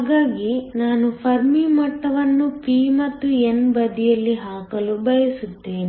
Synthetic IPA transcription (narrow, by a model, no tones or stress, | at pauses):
ɡaːɡinaːnupʰɐɾmimɐʈːɐʋɐnːupiːmɐt̪ːuenbɐd̪ijɐlːiɦaːkɐlubɐjɐsut̪ːeːni